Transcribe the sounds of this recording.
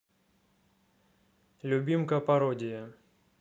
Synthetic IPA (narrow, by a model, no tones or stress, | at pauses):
lʲʊbʲimkɐpɐɾɔdʲɪjɐ